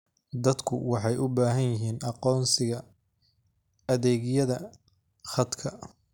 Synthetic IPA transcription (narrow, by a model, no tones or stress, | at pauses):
d̪ɐd̪kʰʊwɑħɑjʔʊbaːɦɐnjɪɦiːnʔɑqɔːnsɪɣɐ | ɐðɛːɣjɐðɐ | χɐd̪kʰɐ